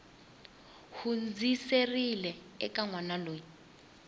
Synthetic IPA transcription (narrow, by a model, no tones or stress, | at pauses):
hund͡ziserilɛ | ɛ̰kaŋwanaloːɲi